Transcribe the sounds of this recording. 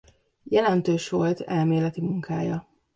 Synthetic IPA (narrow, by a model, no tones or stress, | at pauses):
jɛlɛnt̪øːʃʋo̞lt̪ʰɛlmeːlɛt̪imuŋkʰaːjɒ